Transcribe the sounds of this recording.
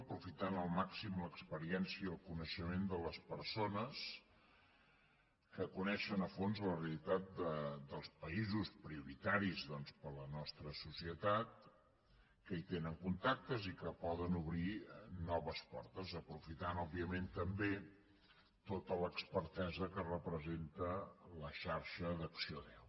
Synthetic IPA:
əpɾufit̪anəlˠmaksimləkspəɾiɛnsiəːlˠkunəʃəmend̪ələspəɾsonəs | kəkunɛʃənəfonzləreəlit̪at̪̚d̪əd̪əlˠspəizuspɾiuɾit̪aɾizðɔnspələnɔst̪ɾəsusiət̪at̪̚ | kəit̪enəŋkunt̪ak̚t̪əzikəpɔðənuβɾinɔβəspɔ̰rt̪əzəpɾufit̪anɔbiəment̪əmbe | t̪ot̪ələkspəɾt̪ɛzəkərəpɾəzent̪ələʃaɾʃəðəksioðɛw

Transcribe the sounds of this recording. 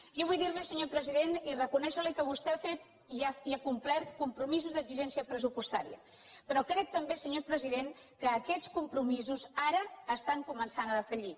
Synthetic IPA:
ʒɔβujðiɾlisəɲopɾəziðenirəkunɛʃəlikəβust̪ɛafet̪ | iaiakumplɛɾt̪kumpɾumizuzðəɡziʒɛnsiəpɾəsupust̪aɾiə̰ | pɾɔkɾɛk̚t̪əmbesəɲopɾəziðeŋ | kəːkɛt͡skumpɾumizuzaɾəːst̪aŋkumənsanəðəfəʎi

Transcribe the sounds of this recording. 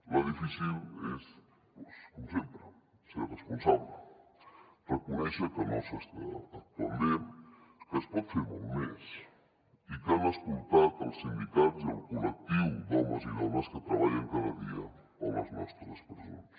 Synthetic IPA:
ləðifisiles | poskomsempɾə | seɾrəspunsaβlə | rəkunɛʃəkənosəst̪aːt̪ənd̪emkəspɔt̪feɾmulmes | ikanəskult̪at̪əlˠsimbit̪atziəlˠkulək̚t̪iwd̪ɔməziðɔməskət̪ɾɐβaʎəŋkaðəðiə | olə̰znɔ̰st̪ɾəspəɾso̰nəs

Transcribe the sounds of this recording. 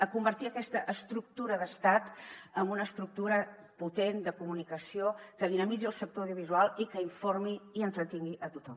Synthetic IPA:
əkumbəɾt̪iəkɛst̪əʔəst̪ɾuk̚t̪uɾəðəst̪at̪əmbunəst̪ɾuk̚t̪uɾəput̪end̪əkumunikəsiokəðinəmid͡ziəlˠsək̚t̪owðjuβ̞izualˠikəiɱformiiənt̪ɾət̪iŋɡiʔət̪ut̪ɔm

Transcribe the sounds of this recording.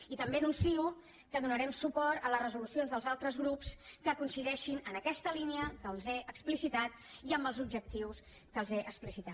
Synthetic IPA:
it̪əmbeənunsiu | kəðunəɾɛmsupɔɾt̪ələzrəzulusionzðəlˠzalˠt̪ɾəzɣɾupskəkunsiðɛʃinənəkɛst̪əliniəkəlˠzɛəksplisit̪at̪iəmbəlˠzubʒək̚t̪iws | kəlˠzɛʔəksplisit̪a

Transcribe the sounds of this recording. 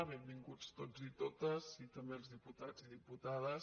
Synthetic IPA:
βembiŋɡut͡st̪od͡zit̪ot̪əzit̪əmbelˠzðiput̪ad͡ziðiput̪aðəs

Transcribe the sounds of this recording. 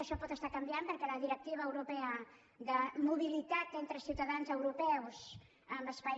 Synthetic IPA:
əʃɔpɔt̪əst̪akəmbjampəɾkɛləðiɾək̚t̪iβ̞əːwɾupɛə | ðəmuβ̞ilit̪at̪ent̪ɾəsiwt̪əðanzəwɾupɛws | əməspa

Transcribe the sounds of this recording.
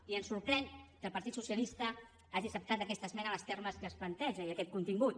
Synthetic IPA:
iənsuɾpɾɛŋkəlˠpɐɾt̪it̪susjəlist̪ə | aʒisəp̚t̪at̪əkɛst̪əzmɛnələst̪ɛɾməskəːsplənt̪ɛʒəiəkɛt̪̚kunt̪iŋɡut̪

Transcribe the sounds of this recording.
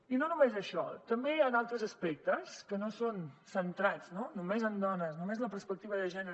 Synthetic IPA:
inonumezəʃɔt̪əmbejanalˠt̪ɾəzəspɛk̚t̪əskənosonsənt̪ɾad͡znonumezənd̪ɔnəsnumezləpəɾspək̚t̪iβəðəʒɛnə

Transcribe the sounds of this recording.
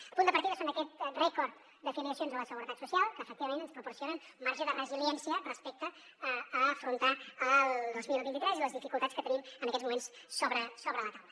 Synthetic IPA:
əpund̪əpəɾt̪iðəsondəkɛt̪rɛkɔɾt̪ | d̪əfiliəsionzələsəɣuɾət̪at̪susialˠkəːfək̚t̪iβəmẽnənspɾupuɾsionənmaɾʒəðərəziljɛnsiərəspɛk̚t̪əː | fɾunt̪aəlˠd̪ozmilˠbint̪it̪ɾɛziləzðifikulˠt̪atskət̪ənimənəkɛzmumensːoβɾəsoβɾələt̪awləə

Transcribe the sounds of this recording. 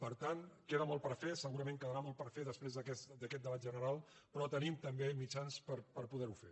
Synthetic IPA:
pəɾt̪ankeðəmɔlˠpəɾfesəɣuɾəmẽŋkəðəɾamɔlˠpəɾfeðəspɾezðəkɛsd̪əkɛt̪̚d̪əβat̪ʒənəɾalˠ | pɾɔt̪ənimt̪əmbemit͡ʃanspəɾpəɾpuðɛɾufe

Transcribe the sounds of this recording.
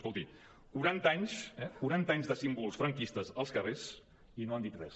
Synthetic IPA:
skolˠt̪i | kuɾant̪aɲsɛkuɾant̪aɲzðəsimbulˠsfɾəŋkist̪əzəlˠskəres | inoand̪it̪rɛs

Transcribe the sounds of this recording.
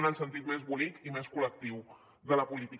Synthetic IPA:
nəlˠsənt̪̬it̪mezβulik̪imeskulək̚t̪iw | ðələpulit̪i

